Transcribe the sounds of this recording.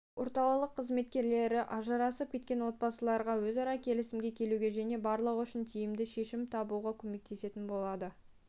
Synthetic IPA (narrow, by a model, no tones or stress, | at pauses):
wʔo̞ɾt̪ɑlˠəlˠəqʰːəzme̞t̪kʲe̞ɾle̞ɾɪʔɑʒɑɾɑsəp̚kʲʰe̞t̪̚kʲe̞nwo̞t̪̚bɑsəlˠɑɾʁɑwɵzɑɾɑkʲʰe̞lɪsɪmɡʲe̞kʲʰe̞luɡʲe̞ʒæne̞bɑɾlˠəʁʏʃɪnt̪ʰijɪmd̪ɪʃe̞ʃɪmt̪ʰɑbuʁɑkʲʰɵme̞k̚t̪ʰe̞se̞t̪ɪnbo̞lˠɑd̪ə